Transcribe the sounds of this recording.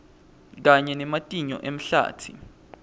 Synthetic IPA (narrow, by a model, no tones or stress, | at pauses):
k̬aɲɛnɛmatʼiɲɔ̰ʔem̩ɬa̰ːtʰi